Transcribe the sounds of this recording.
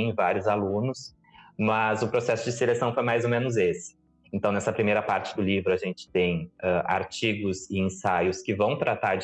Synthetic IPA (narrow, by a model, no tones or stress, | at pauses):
vaɾjʊzalũnʊs | mɐzʊpɾosɛsʊd͡ʒɪselesɐ̃w̃fojmajzomẽnʊzesɪ̥ | ẽnt̪ɐ̃w̃nɛsɐpɾimejɾɐpaɾt͡ʃɪ̥d̪ʊlivɾʊaʒẽnt͡ʃɪ̥t̪ẽj̃ɛʔa̰ɾt͡ʃiɡʊzɪẽsajʊskɪvɐ̃w̃t̪ɾat̪aɾ